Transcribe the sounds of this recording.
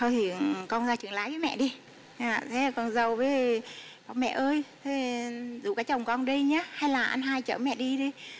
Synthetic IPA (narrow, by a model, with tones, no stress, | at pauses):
t̪ʰo˧jt̪ʰi˨˩kɔ˧nzaː˧jt͡ɕɨ˨˧˩ŋlaː˨˦jvəː˨˦jmɛ̰˧˨ʔɗi˧ | aː˧˩t̪ʰe˨˦˨kɔ˨˩nzə˨˩wvə˨˦ | ɓa˨˩ŋ͡mmɛ̰˧˨ʔəː˧jt̪ʰe˨˦zṵ˧˩kaː˨˦jt͡ɕə˨˩wŋ͡mkɔ˧nɗi˧jɲaː˨˦ha˧jlaː˨˩ʔa˧nɦaː˧jt͡ɕəː˧˩mɛ̰˧˨ɗi˧ɗi˧